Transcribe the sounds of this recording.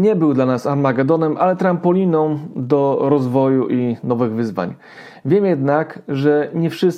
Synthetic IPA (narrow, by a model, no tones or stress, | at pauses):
ɲɛbɘwd̪lanasaɾmaɡad̪ɔnɛmʔalɛt̪ɾampɔlʲinɔ̃w̃d̪ɔɾɔzvɔjuʔinɔvɘɣvɘzva̰ɲ | vʲjɛmjɛd̪nakʐɛɲɛfʂɘs